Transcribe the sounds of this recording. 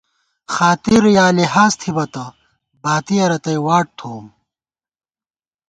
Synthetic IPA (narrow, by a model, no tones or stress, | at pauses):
xaːt̪iɾjaːliɦaːst̪ʰibɐt̪ɐ | baːt̪iɐɾɐt̪ɐjwaːʈ̚t̪ʰoːm